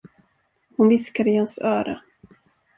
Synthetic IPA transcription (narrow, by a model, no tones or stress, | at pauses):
hʊnvɪskad̪əɪhansœːɾa̰